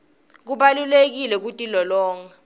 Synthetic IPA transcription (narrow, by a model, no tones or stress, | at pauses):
k̬uɓalulek̬ilɛk̬utʼilɔlɔːŋa